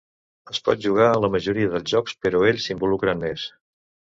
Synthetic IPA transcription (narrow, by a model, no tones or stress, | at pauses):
əspɔ̰t̪̚ʒuɣ̞aələməʒuɾiəðəlˠzʒɔkspəɾɔeʎʲsimbulukɾənmes